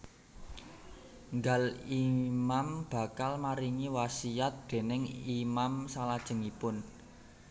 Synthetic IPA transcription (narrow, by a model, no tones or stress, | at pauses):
ŋɡalimamb̥ä̤kalmaɾiŋiwasiat̪̚d̪̥e̤nɪŋimamsalad̥ʒ̥ə̤ŋipʊn